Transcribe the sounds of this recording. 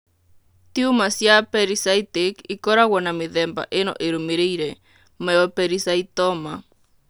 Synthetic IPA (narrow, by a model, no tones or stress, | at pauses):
t̪iumasjapɛɾisajt̪ekikɔɾawɔnamiðɛmba̰ʔenɔ̰ʔeɾumiɾejɾe | mɛɔpɛɾisait̪ɔma